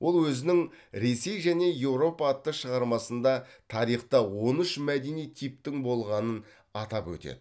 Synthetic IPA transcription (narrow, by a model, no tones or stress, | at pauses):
wo̞lˠwɵzɪnɪŋ | ɾe̞se̞jʒæne̞je̞wɾo̞pɑːt̪ːəʃəʁɑɾmɑsənd̪ɑt̪ʰɑɾijχt̪əwo̞nʏʃmæd̪e̞nijt̪ʰip̚t̪ɪŋbo̞lˠʁɑnən | ɑt̪ɑpwɵ̰t̪ḛd̪̥ɪ